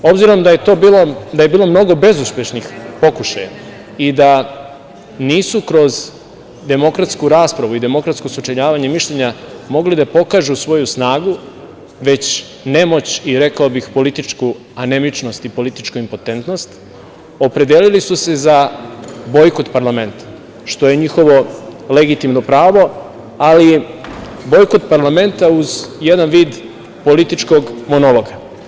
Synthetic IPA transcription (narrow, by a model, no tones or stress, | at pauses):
o̞bziɾo̞md̪aje̞t̪o̞ːbiːlod̪ajebiːlo̞mno̞ɡo̞be̞zuspʲje̞ʃnixpo̞kuʃaja̰ | id̪a | niːsukɾo̞z | d̪e̞mo̞kɾat̪skuɾaːspɾaʋuid̪e̞mo̞kɾat̪skosut͡ʃeʎaːʋaɲe̞miʃʎeɲamo̞ɡlid̪apo̞kaːʒusʋo̞jusnaːɡu | ʋe̞t͡ɕ | ne̞mo̞t͡ɕiɾe̞kaobixpo̞lit̪it͡ʃku | ane̞mit͡ʃno̞st̪ipo̞lit̪i̥t͡ʃkuimpo̞t̪e̞nt̪no̞st̪ | o̞pɾe̞d̪elilisuse̞za | bo̞jkot̪paɾlame̞nt̪ḁ | ʃt̪o̞je̞ɲixo̞ʋo̞le̞ɡit̪imnopɾaːʋo̞ | ali | bo̞jko̞t̪paɾlˠame̞nt̪auzjed̪anʋiːd̪ | po̞lit̪it͡ʃko̞ɡmo̞nolˠo̞ɡa